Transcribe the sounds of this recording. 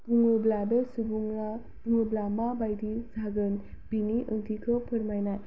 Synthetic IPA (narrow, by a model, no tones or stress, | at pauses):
puŋɯbladəsubuŋa | puŋublamabajdizʱaɡɯn | bʱiniʔəŋtʰikʰɯpʰəɾmajnaj